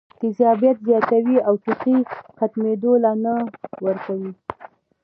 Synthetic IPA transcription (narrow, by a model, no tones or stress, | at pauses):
t̪ɪzɑbjat̪zjɑt̪awiawt̪ɪxixat̪med̪olanawəɾkawi